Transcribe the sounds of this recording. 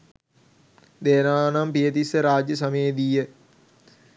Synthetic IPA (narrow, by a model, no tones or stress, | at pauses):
d̪eːnaːnampijət̪isəɾaːd͡ʒjəsɐmeːd̪iːjə